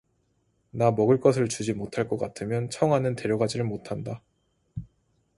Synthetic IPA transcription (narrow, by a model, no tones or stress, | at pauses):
namʌɡɯɭk͈ʌs̬ʰɯɭt͡ɕud͡ʑimotʰaɭk͈ʌk͈atʰɯmjʌnt͡ɕʰʌŋɦanɯnte̞ɾjʌɡad͡ʑiɾɯɭmotʰanda